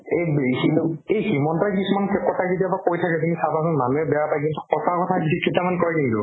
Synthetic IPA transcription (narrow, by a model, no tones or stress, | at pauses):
ejbehiejhimɔntakisumankɛkɔtʰazetiabakojtʰakɛzunisabasɔnmanuɛbɛapajk̬intʊ̥kɔtʰakɔtʰaksikʰːitamankɔɹɛkintʊ̰